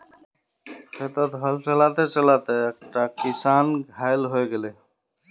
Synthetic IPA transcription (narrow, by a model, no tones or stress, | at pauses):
set̪ət̪ɦəlt͡ʃəlat̪et͡ʃəlat̪eek̚ʈakisanɡʱajlɦojɡele